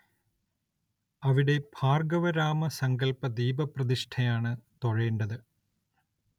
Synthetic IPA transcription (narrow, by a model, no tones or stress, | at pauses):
ɐʋiɽe̞bʱaːrɡɐʋɐɾaːmɐsɐŋɡɐlpɐd̪iːbɐprɐðiʂʈʰɐjaːɳɨt̪o̞ɻeːɳɖɐðɨ